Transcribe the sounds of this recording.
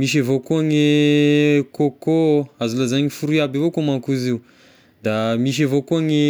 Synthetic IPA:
miʃ̬avokoaŋe | kokoazulazaɲifuɾiabavokomakuziu | d̪amiʃ̬avokoaŋe

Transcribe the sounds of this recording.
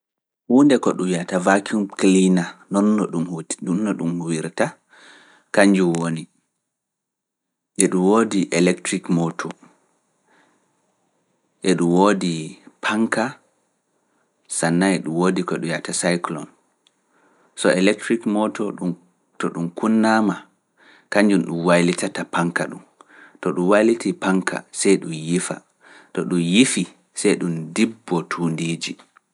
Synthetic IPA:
huːndɛkɔɗujatavakʰumklinanɔnːɔɗumunːɔɗumhwiɾta | kaɲd͡ʒuwoni | ʔɛɗumwoːdiʔɛlɛktɾikmɔtʰɔ | ʔɛɗumwodipʰaŋka | sanːaɛɗumwodikɔɛɗujatasajklɔ̰n | sɔɛlɛk̚tɾikmɔtɔu | tɔɗumkunːama | kaɲd͡ʒunɗumwajlitatapaŋkaɗum | tɔɗumwajlitʰipaŋkʰa̰sɛjɗumjifa̰ | tɔɗumjifi | sɛjɗumdibːɔtʰuːndiːd͡ʒi

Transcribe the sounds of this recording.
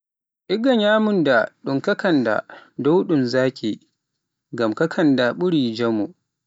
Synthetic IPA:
ʔiɡɐɲaːmʊndaɗuŋkɐkʰɐnda̰dɔwɗunzaːkʲʰi | ɡamkɐkʰɐndaɓuɾiːd͡ʒɐmu

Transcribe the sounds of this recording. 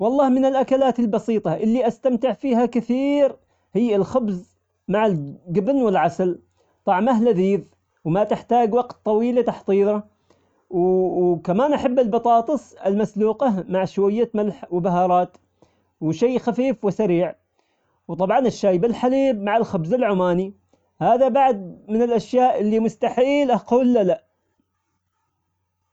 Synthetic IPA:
wɑlˤːɑːhmɪnɪlʔakalaːt̪ɪlbɑsiːt̪ˤɑʔɪlːiʔast̪amt̪ɪʕfiːhakɪθiːɾ | hɪjːɪlxʊbz | maʕalɡɪbnwɪlʕasal | t̪ˤɑʕmahlaðiːð | wmat̪ɪħt̪aːɡwɑɡt̪ːˤɑwiːlat̪aħt̪ˤiːðˤɑ | wkamaːnʔaħabːɪlbɑt̪ˤɑːt̪ˤɨsˤɪ̰lmasluːqamaʕʃwajːamalħwɪbaɦɑːɾˤɑːt̪ | wʃiːxafiːfwɪsaɾiːʕ | wt̪ˤɑbʕɑnɪʃːaːjbɪlħaliːbmaʕalxʊbzɪlʕʊmaːni | haːðabaʕd̪̚mɪnɪlʔaʃjaːʔɪlːimʊst̪aħiːlʔaquːlːalaʔ

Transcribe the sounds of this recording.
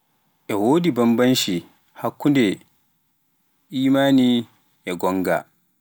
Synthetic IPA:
ʔɛwoːdibɐmbɐnʃi | hakːundɛ | ʔiːmaːni | jɛɡɔŋɡa̰

